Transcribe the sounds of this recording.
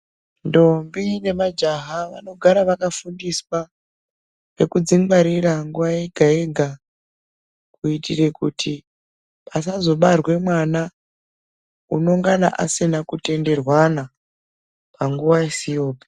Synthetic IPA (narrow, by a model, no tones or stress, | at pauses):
ndo̞mbine̞mad͡ʒaɦaʋa̰no̞ɡʱaɾaʋakafundiswa | ʋe̞kud͡ziŋɡaɾiraŋɡuʋajeɡʱae̞ɡʱa | kuitire̞kutʰi | pasazo̞ɓarwe̞mwana | uno̞ŋɡana̰ʔasinakute̞nde̞rwana | paŋɡuʋaesijo̞ːpi̥